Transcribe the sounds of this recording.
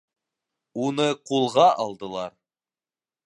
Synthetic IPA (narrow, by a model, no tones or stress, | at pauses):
unɤqulˠʁɑʔɑlˠd̪ɤ̆lˠɑɾ